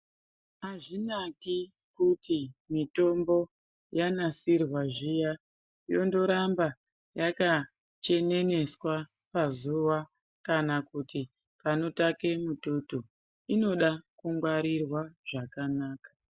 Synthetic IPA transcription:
ɦaʐinaki | kutimito̞mbo̞ | janasirwaʐija | jo̞ndo̞ɾamba | jaka | t͡ʃe̞ne̞ne̞swa | pazuʋa | kanakutʰi | pano̞take̞mutoto̞ | ino̞ɗakuŋɡwaɾirwaʐ̥akanaːkḁ

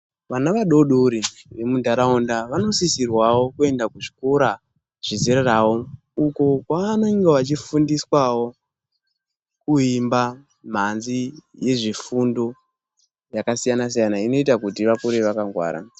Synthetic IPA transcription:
ʋanaʋaɗo̞ɗoɾiʋe̞mudʱaɾaondaʋano̞sisirwawo̞kue̞ndakuʐi̥koɾa | ʐ̥iziɾarawo̞ | uko̞kwaːno̞iŋɡeʋat͡ʃifundiswawo̞ | kuimba | m̤anzije̞ʐifundo̞ | jakasijanas̬ijanaino̞itakutiʋakuɾeʋakaŋɡwa̰ːɾa̰

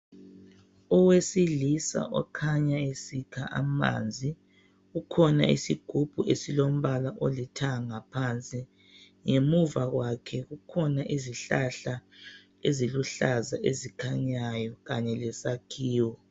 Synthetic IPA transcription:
ɔwesilisa̰ʔɔkʰaɲaesikʰaʔa̰ma̰nd͡zʱi | ɣukʰɔna̰ḭsiɡ̥ʱub̥ʱuʔesilom̩βalaʔolitʰaŋapʰant͡sʼi | ŋemuvaɣwakʰɛɣukʰɔnaʔiziɬaɬa | eziluɬazaʔezikʰaɲajɔɣaɲɛlɛsakʰiːwɔ

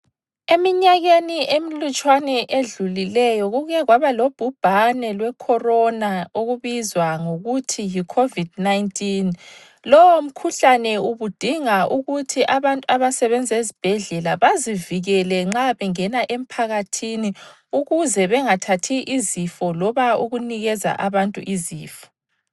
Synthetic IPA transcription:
emiɲaɣeniʔemilut͡ʃʼwanɛʔeɮulilɛjɔɣuɣɛɣwaβalob̥ʱub̥ʱanɛlwɛkʰɔrɔnaoɣuβizwaŋoɣutʰijikʰovid̥̚najntʼin | lɔwom̩kʰuɬanɛuβud̥ʱiŋaʔuɣutʰiʔaβantʼuaβasɛβɛnd͡zʱezib̥ʱɛɮɛlaβaziviɣɛlɛŋ͡ǁaβɛŋɛnaʔem̩pʰaɣatʰini | uɣuzɛβɛŋatʰatʰiʔizifɔlɔβauɣuniɣɛza̰ʔaβantʼṵʔiziːfɔ̥

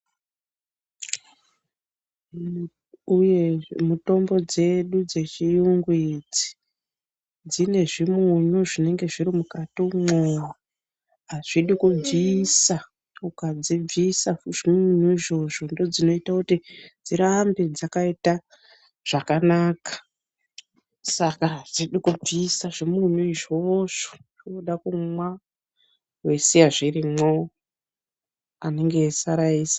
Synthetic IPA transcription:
uje̞muto̞mbo̞d͡ze̞ɗud͡ze̞t͡ʃijuŋɡwid͡zi̥ | d͡zine̞ʐimuɲuʐine̞ŋɡe̞ʐiɾimukatimowa | ɦaʐ̥iɗikub͡viːsa | ukad͡zib͡visaʐimuɲuiʐo̞ʐo̞ndo̞d͡zino̞itakutid͡ziɾambid͡zakaita | ʐ̥akanaːkḁ | sakaɦziɗikub͡visaʐimuɲuiʐo̞ʐ̥o̥ | oɗakumwa | wesiaʐirimwo | ane̞ŋɡe̞saɾaiːsḁ

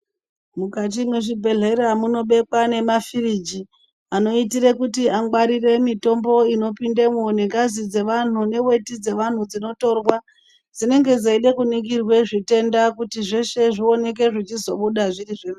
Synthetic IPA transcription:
mukat̬imweʐibʱe̞ɮʱeɾamuno̞ɓe̞kwane̞mafirid͡ʒi | ano̞itiɾekutiaŋɡwaɾire̞mito̞mbo̞ino̞pindemuoneŋɡazid͡ze̞ʋan̤une̞we̞tid͡ze̞ʋan̤ud͡zino̞to̞rwa | d͡zine̞ŋɡe̞d͡zaiɗekunik̬irwe̞ʐite̞ndakutiʐe̞ʃe̞ʐio̞ne̞k̬e̞ʐit͡ʃizo̞ɓuɗaʐiriʐema

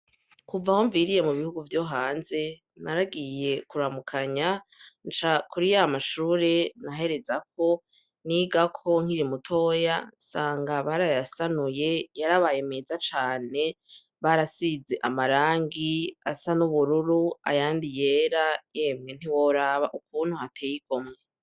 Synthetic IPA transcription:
kuvaho̞ɱviɾije̞muβihuɡuvjo̞ɦaːnze̞ | naɾaɡije̞kuɾamukʰaɲant͡ʃakuɾijamaʃuːɾe̞naɦe̞ɾe̞zak̚ʰo̞ | niɡakʰo̞ŋ̥iɾimutʰo̞jasaːŋɡaβaɾajasanuje̞jaɾaβaːje̞meːzat͡ʃaːne̞ | βaɾasize̞ʔamaɾaːŋɡia̰sanuβuɾuɾua̰jaːndije̞ːɾaje̞ːmŋen̥iwoɾaːβaʔukuːn̥huhatʰeːjiko̞mŋe

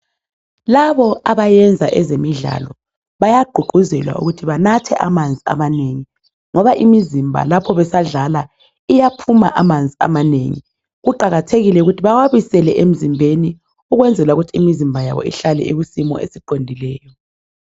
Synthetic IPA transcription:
laβɔaβajɛnd͡zʱa̰ʔɛzemiɮa̰lɔ | βajaɡ͡ǃ̥ʱuɡ͡ǃʱuzɛlwa̰ṵɣutʰiβanatʰɛ̰ʔamand͡zʱia̰maneŋi | ŋɔβaʔimizimbʱa̰lapʰɔβɛsaɮala | ijapʰuma̰ʔamand͡zʱia̰manḛŋḭ | ɣuǃaɣatʰeɣilɛuɣutʰiβawaβisɛlɛʔem̩zimbʱeni | uɣwɛnd͡zʱɛlwauɣutʰiimizimbʱaja̰βɔ̰ḭɬalɛ̰iɣusimɔ̰ʔḛsiǃʱondʱilɛːjɔ

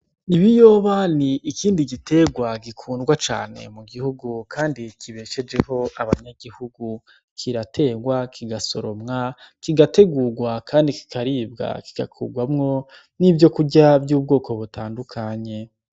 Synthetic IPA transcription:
iβijo̞ːβaniʔːkiːndiɡitʰe̞ɡwaɡikʰuːndɡwat͡ʃa̰ːne̞̰muɡihuɡukʰaːndikʰiβe̞ːʃe̞d͡ʒe̞ho̞ʔaβaɲaɡihuɡu | kʰiɾatʰe̞ːɡwakʰiɡaso̞ɾo̞mŋa | kiɡate̞ɡuɡwakʰaːndiki̥kʰaɾiːbɡa̰ki̥ɡa̰kʰṵɡwamŋo̞ | nivjo̞kuɟabjuːb̚ɡo̞ːko̞βutʰaːndukʰaɲe̞

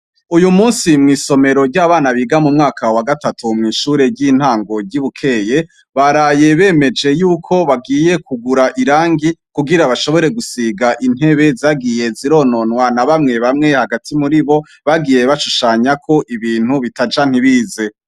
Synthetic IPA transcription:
ujumuːnsimŋiːso̞me̞ɾo̞ɾɟaːβaːnaβiɡamumŋaːkʰawaɡatatʰumŋiːʃuːɾe̞ɟin̥haːŋɡo̞ɾɟiβukʰe̞je̞ | βaɾaːje̞βe̞ːme̞d͡ʒe̞juːkʰo̞βaɡiːje̞kʰuɡuɾaʔiɾaːŋɡikuɡiɾaβaʃo̞βo̞ɾe̞ɡusiɡaʔin̥he̞βe̞zaɡije̞ziɾo̞ːno̞nwanaβamŋe̞βamŋe̞haɡatʰimuɾiβo̞ | βaɡije̞βaʃuʃaːɲakʰo̞ʔiβiːn̥huβitad͡ʒan̥hiβiːze̞

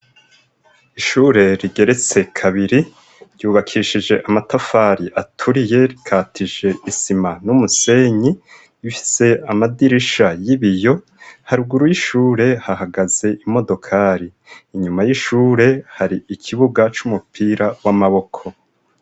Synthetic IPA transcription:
iʃuːɾe̞ɾiɡe̞ɾe̞t͡se̞kʰaβiɾi | ɾjuːβakʰiʃid͡ʒe̞ʔamatafaɾiʔatʰuɾije̞ɾikʰaːtʰiʒe̞isimanumuse̞ɲi | ifi̥se̞amadiɾiʃajiβijo̞ | haɾuɡuɾujiʃuːɾe̞hahaɡaze̞ʔimo̞do̞kʰaɾiː | ɲumajiʃuːɾe̞haɾiikʰiβuɡat͡ʃumupʰiːɾawamaβo̞kʰo̞

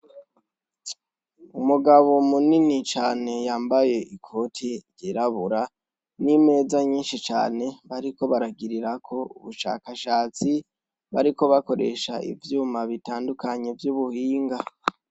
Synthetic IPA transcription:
umuɡaβo̞muninit͡ʃaːne̞jaːmbaje̞ʔikʰo̞tʰiɾjiɾaβuɾa | nime̞ːzaɲiːnʃit͡ʃa̰ːne̞βaɾiko̞βaɾaɡiɾiɾakʰo̞uβuʃa̰ːkaʃaːt͡si | βaɾiko̞βako̞ɾe̞̰ʃa̰ḭvjuːmaβitaːndukaɲe̞vjuβuhiːŋɡa

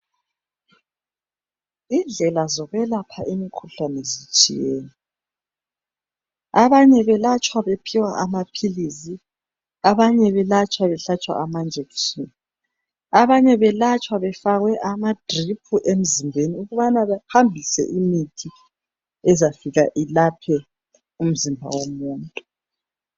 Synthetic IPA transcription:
ind͡ɮʱɛlazɔɣwɛlapʰaʔimikʰuɬanɛzit͡ʃʼḭjeːni | aβaɲɛβɛlat͡ʃʼwaβepʰiwaʔamapʰilizi | aβaɲɛβɛlat͡ʃʼwaβɛɬat͡ʃʼwa̰ʔamand͡ʒʱeksuni | aβaɲɛβɛlat͡ʃʼwaβɛfaɣwɛʔamad̥ripʰuʔem̩zimbʱeniuɣuβanaβɛhambʱisɛ̰ʔimitʰi | ɛzafiɣaʔilapʰɛ | um̩zimbʱa̰womuːntʼu

